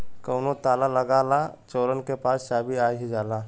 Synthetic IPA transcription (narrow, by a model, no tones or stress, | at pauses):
kəʊnot̪aːlaləɡaːlat͡ʃoːɾənkepaːsʃaːbʱiaːɦid͡ʒaːlaː